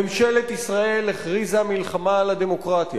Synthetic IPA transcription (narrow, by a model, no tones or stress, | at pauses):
emʃelet̪isʁae̞lːeχʁizamilχamalad̪e̞mo̞kʁat̪ja̰